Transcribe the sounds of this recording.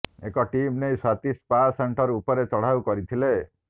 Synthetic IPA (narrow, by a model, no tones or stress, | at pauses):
ḛkɔʈimnejswat̪ispaseɳʈɔɾupɔɾet͡ʃɔɽ̤awkɔɾit̪ʰile